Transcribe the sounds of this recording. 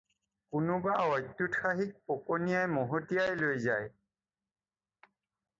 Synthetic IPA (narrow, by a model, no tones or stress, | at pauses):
kʊnʊbaɔjtːutʰaɦik̚pokonijajmoɦotijajlojzaj